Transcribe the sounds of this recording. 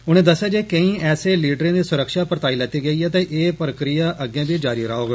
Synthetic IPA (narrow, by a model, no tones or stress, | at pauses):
ʊñẽːd̪əsːjaːd͡ʒeːkə̃ĩːɛːseːliːɖɾẽːd̪iːsʊɾəkʃaːpəɾət̪aːiːlɛːt̪iːɡəiːɛːt̪ẽʔeːpəɾəkɾɪjaːʔəɡjãːbiːd͡ʒaːɾiːɾaːoːɡ